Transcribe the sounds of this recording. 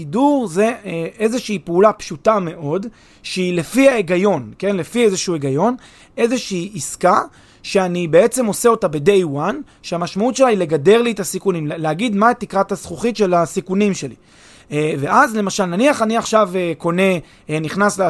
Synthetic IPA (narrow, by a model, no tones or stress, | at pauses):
iduʁze̞ee̞zeʃiipeulapʃutame̞ʔo̞d | ʃeilefiaeɡajo̞nke̞nle̞fiezeʃueɡajo̞n | e̞ze̞ʃiːiska | ʃeanibe̞et͡se̞mo̞seo̞tabe̞de̞jwan | ʃeamaʃmautʃe̞laile̞ɡade̞ʁlietasikunimleaɡid̪mat̪ikʁathasχuχitʃe̞lasikunimʃe̞lḭ | ve̞ʔazle̞maʃalnaniaχaniaχʃaveko̞ne̞ | niχnasl